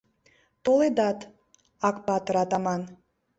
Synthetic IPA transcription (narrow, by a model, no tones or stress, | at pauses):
t̪olˠed̪ɑt̪ | ɑkpɑt̪ɾɑt̪ɑmɑn